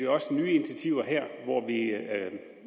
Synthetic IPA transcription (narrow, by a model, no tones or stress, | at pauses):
iɒ̽snyːinit͡sʰæt͡sʰiʊ̰ɐɦɛɐ̰ʋɒʋi